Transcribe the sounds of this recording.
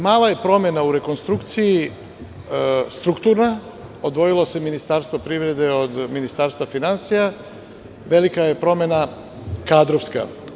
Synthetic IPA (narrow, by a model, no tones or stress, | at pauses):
maːlˠaje̞pɾo̞me̞nauɾe̞ko̞nst̪ɾukt̪siji | st̪ɾukt̪uɾna | o̞d̪ʋo̞jilo̞se̞minist̪aːɾst̪ʋo̞pɾivɾe̞d̪e̞od̪minist̪aːɾst̪ʋafinansija | ʋe̞likaje̞pɾo̞me̞na | kaːd̪ɾoʋska̰